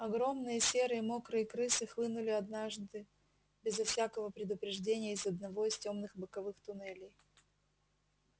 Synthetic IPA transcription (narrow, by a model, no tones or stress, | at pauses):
ɐɡɾo̞mnɨjəsʲe̞ɾɨɪmo̞kɾɨɪkɾɨsɨxlˠɨnʊlʲɪɐd̪naʐd̪ɨ | bʲɪzɐfsʲakəvəpɾʲɪd̪ʊpɾʲɪʐdʲenʲɪjəɪzəd̪nɐvo̞istʲo̞mnɨxbɨkɐvɨxt̪ʊnɛlʲɪj